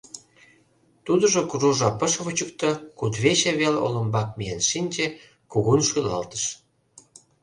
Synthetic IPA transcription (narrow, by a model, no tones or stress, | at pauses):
t̪ud̪ə̆ʒokuruʒɑpə̆ʃβot͡ɕəkt̪ə̆kud̪βeɕeβelo̰lə̆mbɑk̚mienʃinʲt͡ɕe | kuɣunʃojlɑ̰lt̪ə̥ʃ